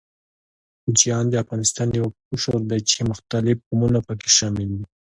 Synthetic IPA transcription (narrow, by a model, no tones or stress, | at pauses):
xʊd͡ʒijɑnd̪əafɣɑnɪst̪ɑnjawa | ʊʃoɾd̪at͡ʃemʊxt̪alɪfqumunapəke̥ʃɑmɪld̪i